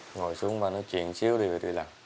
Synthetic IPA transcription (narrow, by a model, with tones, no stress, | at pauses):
ŋo˨˩jsu˨˧˦əŋvaː˨˩nɔ˨˦jt͡ɕwḭ˧˨ənsi˨˦əwɗə˨˩t̪wḭ˧˩˨laː˨˩ŋ